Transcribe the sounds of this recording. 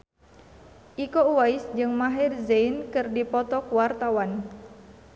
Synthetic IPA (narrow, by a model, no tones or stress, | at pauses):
ʔikouwaisd͡ʒɨŋmaɦɪrzeinkɨrdipɔt̪ɔkwart̪awan